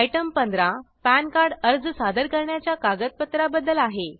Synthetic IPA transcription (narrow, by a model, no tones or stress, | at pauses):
ajʈəmpənd̪ɾa | pænkaɾɖəɾd͡zsad̪əɾkəɾɳjat͡ɕjakaɡət̪̚pət̪ɾabəd̪ːəlaɦe